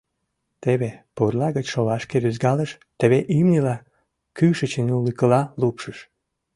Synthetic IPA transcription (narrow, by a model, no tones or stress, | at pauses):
t̪eβepurlɑɣət͡ɕʃolɑʃkeɾyzɡɑləʃ | t̪eβeʔimnʲilɑ | kyʃət͡ɕenulikəlɑlupʃəʃ